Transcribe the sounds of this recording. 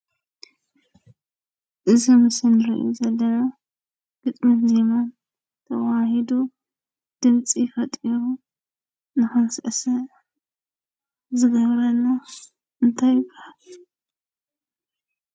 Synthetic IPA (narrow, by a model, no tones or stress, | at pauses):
ʔɨzimɨsɨnɾḭʔuzɐlːɐna | ɡ̥ɨt̪ʼmɨt̪ze̞man | t̪ʰɐwahid̪u | d̪̥ɨmt͡sʼifɐt̪ʼiɾu | nɨxɨnsɨʔsɐ | zɨɡɐβɾɐnːa | ʔɨnt̪ʰajɪbːahal